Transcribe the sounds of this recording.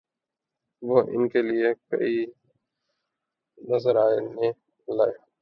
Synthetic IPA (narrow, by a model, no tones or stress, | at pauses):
ʋoːʔɪ̰nkeliekɐ̰i | nəzəɾaːenẽ | laːeː